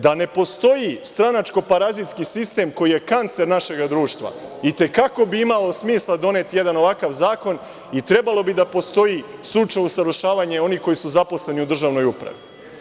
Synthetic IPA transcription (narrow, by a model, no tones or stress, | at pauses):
d̪ane̞po̞st̪o̞jist̪ɾanat͡ʃko̞paɾazit̪skisist̪e̞ːmko̞jijekant̪se̞ɾnaʃe̞ɡad̪ɾuːʃt̪ʋa̰it̪e̞kako̞biimalo̞smiːslˠad̪o̞ne̞t̪ije̞d̪ano̞ʋakaʋzaːko̞n | it̪ɾe̞balo̞bid̪apo̞st̪o̞jislˠut͡ʃajusaɾoʃaːʋaɲeo̞niːko̞jisuzapo̞sle̞niud̪r̩ʒaːʋno̞jupɾa̰ʋḭ